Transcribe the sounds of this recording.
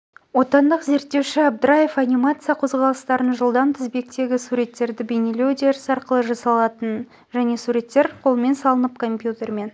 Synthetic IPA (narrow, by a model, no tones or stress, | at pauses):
wo̞t̪ɑnd̪əqze̞ɾt̪ːe̞wʃɪab̚d̪ɾaje̞fanʲimat̪sɨjɑqʰo̞zʁɑlˠəst̪ɑɾənʒəlˠd̪ɑnt̪ʰɪzbe̞k̚t̪e̞ɡʲɪsuɾe̞t̪ːe̞ɾd̪ɪbenelʲewd̪eɾɪsɑɾqəlˠəʒɑsɑlˠɑt̪ən | ʒæne̞suɾe̞t̪ːe̞ɾqʰo̞lˠəme̞nsɑlˠənəp̚kʰo̞mpʲjut̪e̞ɾme̞n